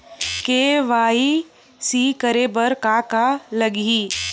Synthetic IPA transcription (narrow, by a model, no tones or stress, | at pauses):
keʋaːi | sikəɾeːbəɾkaːkalɐɡiː